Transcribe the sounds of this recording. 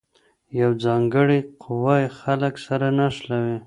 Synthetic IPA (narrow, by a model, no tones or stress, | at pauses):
jawd͡zɑŋɡəɽiqʰʊwɑjxaləksaɾanaʂlawi